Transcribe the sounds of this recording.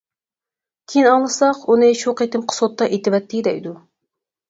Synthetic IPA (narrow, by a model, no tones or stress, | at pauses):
kʲʰejinɑŋlˠɨsɑqunɨʃoqet̪ɪmqʰə̥sot̪ːɑʔet̪ɪbɛt̪ʰːɪd̪ɛjd̪u